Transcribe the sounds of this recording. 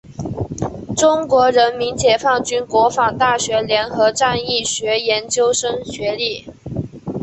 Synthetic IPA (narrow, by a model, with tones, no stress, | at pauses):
ʈ͡ʂʊ˥ŋkwɔ˧˥ɻə˧˥nmi˧˥nt͡ɕjɛ˨˩fɑ˥˩ŋt͡ɕy˥nkwɔ˧˥fɑ˨˩ŋt̪a˥˩ɕɥɛ˧˥ljɛ˧˥nxɤ˧˥ʈ͡ʂa˥˧ni˥˩ɕɥɛ˧˥jɛ˧˥nt͡ɕjo˥ʊʂɤ˥ŋɕɥɛ˧˥li˥˩